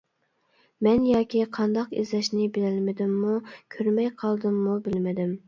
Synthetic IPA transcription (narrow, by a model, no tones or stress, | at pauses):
mɛnjɑːkʲiqʰɑnd̪ɑqḭzlɛʃnɪbɪlɪlmɪd̪ɪmːukʲʰøɾmɛjqʰɑlˠd̪ɨmːubɪlmɪd̪ɪm